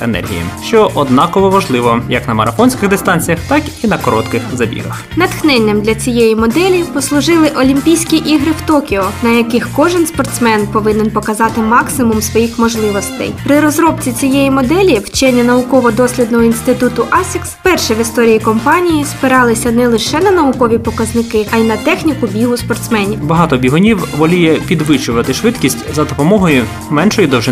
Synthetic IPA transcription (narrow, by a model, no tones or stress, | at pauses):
ḛnɛ̰rɦʲḭjḭʃt͡ʃɔʔɔd̪nɑkɔʋɔʋɐʒlˠɪʋɔjɐknɐmɐɾɐfɔnʲsʲkɪɣd̪ɪst̪ɑnʲt͡sʲijɐxt̪ɑkinɐkɔɾɔt̪kɪxzɐbʲḭɦɐ̰x | nɐt̪xnɛnʲːɐmd̪lʲɐt͡sʲijejimɔd̪ɛlʲipɔslˠʊʒɪlˠɪʔɔlʲimʲpʲijsʲkʲiʔiɦɾɪft̪ɔkʲɪɔnɐjɐkɪxkɔʒɪnspɔrt̪smɛnpɔʋɪnɪnpɔkɐzɑt̪ɪmɑksɪmʊmsʋɔjixmɔʒlˠɪʋɔst̪ɛ̰jpɾɪɾɔzɾɔp̚t͡sʲit͡sʲijejimɔd̪ɛlʲiwt͡ʃɛnʲːɐnɐʊkɔʋɔd̪ɔsʲlʲid̪nɔɦɔinst̪ɪt̪ut̪ʊʔɑsʲɪkspɛrʃɛʋɪst̪ɔɾʲijikɔmpɑnʲijispɪɾɑlˠɪsʲɐnɛlˠɪʃɛnɐnɐʊkɔʋʲipɔkɐznɪkɪajinɐt̪ɛxnʲikʊbʲiɦʊspɔrt̪smɛnʲibɐɦɑt̪ɔbʲiɦɔnʲiwʋɔlʲijɛpʲid̪ʋɪt͡ʃʊʋɐt̪ɪʃʋɪt̪kʲisʲtʲzɐd̪ɔpɔmɔɦɔjʊ | mɛnʃɔjid̪ɔwʒɪ